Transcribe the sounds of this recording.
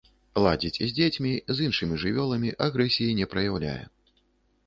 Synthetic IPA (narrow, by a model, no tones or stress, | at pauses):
lˠad͡zʲit͡sʲzʲd͡zʲet͡sʲmʲizinʂɨmʲiʐɨvʲɔlˠɐmʲiʔaɣɾɛsʲijinʲɛpɾɐjawlʲa̰jɛ̰